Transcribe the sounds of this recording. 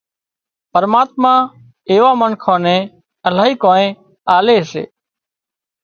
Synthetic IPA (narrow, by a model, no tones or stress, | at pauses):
pəɾmaːt̪̚mãː | eːʋaːmənkʰõːnẽː | əlaːɦiːkoːnẽː | aːleːɦsḛː